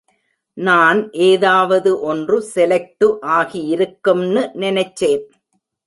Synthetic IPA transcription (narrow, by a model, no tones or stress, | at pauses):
naːnʔeːðaːʋɐðɯʔɔndrɯsɛlɐk̚ʈɯʔaːɣijɪɾɯkːɯmnɯnɪnɐɪt͡ʃːeːn